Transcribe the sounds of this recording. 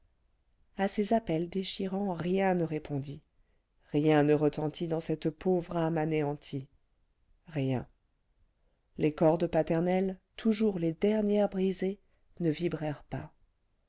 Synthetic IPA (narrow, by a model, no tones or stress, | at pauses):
asezapɛld̪eʃiʁɑ̃ʁjɛ̃nəʁepʰɔ̃d̪i | ʁjɛ̃nəʁət̪ɑ̃t̪ʰid̪ɑ̃sɛt̪povʁamaneɑ̃t̪ʰi | ʁjɛ̰̃ | lekɔʁd̪əpat̪ɛʁnɛlt̪ʰuʒuʁled̪ɛʁnjɛʁbʁize | nəvibʁɛʁpa